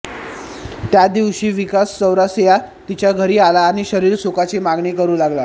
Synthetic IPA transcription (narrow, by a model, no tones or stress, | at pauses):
t̪jad̪iʋɕiːʋikast͡səwɾasja | t̪it͡ɕjaɡʱəɾiːalaːɽ̃iɕəɾiːɾsukat͡ɕemaɡɳikəɾuːlaɡla